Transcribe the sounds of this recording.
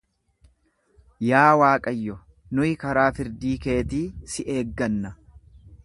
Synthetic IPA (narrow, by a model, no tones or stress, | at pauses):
jaːwaːkʼɐjːɔ | nʊjɪkɐɾaːfɪɾd̪iːke̞ːt̪iːsɪʔe̞ːɡːɐnːɐ